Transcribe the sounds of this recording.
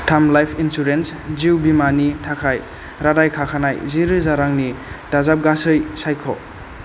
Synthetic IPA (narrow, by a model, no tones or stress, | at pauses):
tʰamlajpʰinsuɾensziwbimanitʰakʰaj | ɾadajkʰakʰanajziɾɯzaɾaŋnidazap̚ɡasɯjsajkʰɔ̰